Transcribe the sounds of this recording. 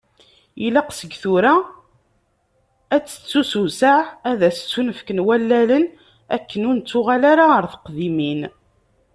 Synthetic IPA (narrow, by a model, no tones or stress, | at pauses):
ilaqsəɡθuɾæ | æt͡sːə̥t͡sːususaʕæðæst͡sːunəfkənwælːælən | æ̰kːənʊnt͡sːʊʁalaɾaəɾθə̥qðimin